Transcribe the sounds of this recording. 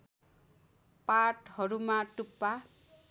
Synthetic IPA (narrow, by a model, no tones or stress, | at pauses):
paʈhʌɾumaʈupːa